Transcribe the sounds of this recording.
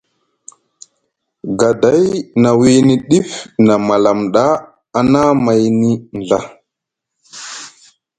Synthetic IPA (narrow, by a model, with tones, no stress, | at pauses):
ɡa˨da˨˦jna˨wi˦ni˦ɗi˦fna˨ma˨la˨mɗa˦ | a˨na˦ma˨jni˦nɮa˦